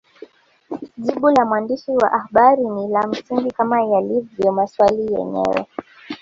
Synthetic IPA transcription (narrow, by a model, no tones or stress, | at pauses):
ʄiɓulamwandiʃiwa̰ʔahaɓaɾinilam̩siŋɡikamajalivjɔmaswalijɛ̰ɲɛ̰wɛ̰